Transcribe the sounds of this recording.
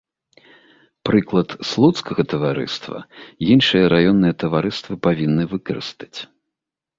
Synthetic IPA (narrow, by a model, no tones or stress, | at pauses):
pɾɨklˠɐt̪slˠut̪skɐɣɐt̪ɐvaɾɨ̰st̪vɐ̰jinʂɨjɐɾajɔnːɨjɐt̪ɐvaɾɨst̪vɨpavʲinːɨvɨkɐɾɨ̰st̪ɐ̥t͡sʲ